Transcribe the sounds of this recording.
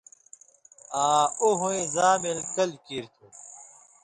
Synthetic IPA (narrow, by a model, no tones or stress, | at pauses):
aːuɦũẽzaːmilkɐlkiɾt̪ʰu